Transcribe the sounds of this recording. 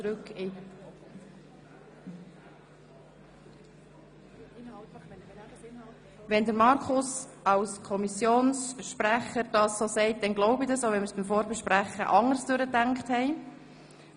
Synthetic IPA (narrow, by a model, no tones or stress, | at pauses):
t͡sɾʉkɪ | ɪnɑtɛn | ʋɛndəɾmɑɾkʰʊs | ɑwskʰɔmisjoːnsʃpɾæχəɾd̥ɑːsːoːsɛɪt̚d̥ɛnɡlɔʊbɪdɑsoʊʋɛnməɾsb̥ɪmfoːɾbɛʃpɾæχə̰ʔɑŋəɾsd̥øɾətæŋkχthɛɪ